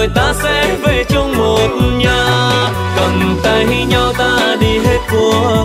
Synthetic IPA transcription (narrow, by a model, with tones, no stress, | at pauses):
əjt̪aː˧sɛ˧mve˨˩t͡ɕʊ˧ŋ͡mmo˨˩t̚ɲaː˧ | kə˨˩nt̪a˧˩jɦi˧ɲa˧wt̪aː˧ɗi˧ɦe˦˥t̚ku˧˩ə